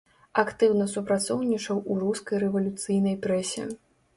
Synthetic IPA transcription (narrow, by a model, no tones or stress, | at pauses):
akt̪ɨwnɐsupɾat̪sɔwnʲit͡ʂɐwʔuɾuskɐjrɛvɐlʲut̪sɨjnɐjpɾɛsʲḭ